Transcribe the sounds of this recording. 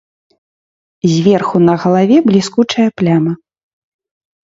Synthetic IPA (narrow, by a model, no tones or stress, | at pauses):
zʲvʲɛrxunɐɣɐlˠavʲɛblʲiskut͡ʂɐjɐplʲamɐ